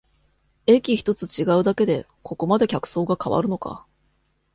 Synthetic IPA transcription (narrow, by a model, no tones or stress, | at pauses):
e̞kʲiçi̥t̪o̞t͡sɨt͡ɕiɡaɯ̟d̪ake̞d̪e̞ | kʰo̞ko̞mad̪e̞kʲakɯ̟̥so̞ːɡakaβa̰ɾɯ̟no̞ka̰